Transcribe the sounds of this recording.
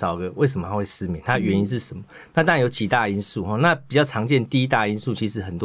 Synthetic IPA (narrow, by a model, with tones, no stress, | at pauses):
sɑ˨˩ʊɡə˦we˥˩ɪsə˩mə˩t̪ʰa˥xwe˥˩ɪsɹ̩˥mjɛ˨˦nt̪ʰa˥ɥɛ˧˦ni˦˥nʂ̬̩˥˩ʂə˨˩mə˨˦na˥˩t̪ŋɻa˧˨njo˧˥ʊt͡ɕi˧˥t̪a˥˩i˥nsu˥˩xɔ˨˩na˥˨pi˨˩t͡ɕjɑ˥˩ʊʈ͡ʂʰɑ˧˥ŋt͡ɕjɛ˥˧nt̪i˥˧i˦˥t̪̬a˥i˥nsu˥˨t͡ɕʰi˧˥ʂɻ̩˧˥xə˨˩nt̪